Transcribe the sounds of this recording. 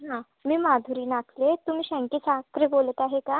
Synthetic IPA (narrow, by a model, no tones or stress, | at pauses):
ɦã | miːmad̪ʱuɾiːnakʰlet̪um̤iːɕɛ̃ŋkisakɾebolət̪aɦeka